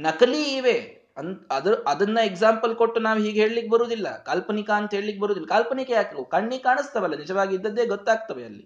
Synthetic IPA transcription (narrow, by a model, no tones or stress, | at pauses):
nɐkliiːʋe | ɐnɐd̪ɐɾɐd̪ɐnːɐeɡzaːmpəlkoʈːunaːʋɦiːɡɦeːɭliːk̚bɐɾuːd̪ilːɐ̰kaːlpɐnikaənt̪ɦeːɭliːk̚bɐɾuːd̪ilːɐkaːlpɐnikeaːkkokaɳːiːkaːɳɨst̪ɐʋɐlːɐnid͡ʒɐʋaːɡid̪ːɐd̪eːɡɔt̪ːaːɡ̚t̪ɐʋeɐlːḭ